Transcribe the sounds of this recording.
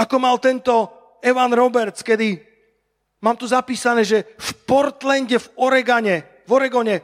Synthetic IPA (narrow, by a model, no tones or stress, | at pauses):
akɔmalt̪ɛnt̪ɔ | ɛʋanɾɔbɛɾt͡skɛd̪i | maːmt̪uzapiːsanɛːʒɛfpɔɾt̪lɛnɟɛvɔɾɛɡaɲɛ | vɔɾɛɡɔɲɛ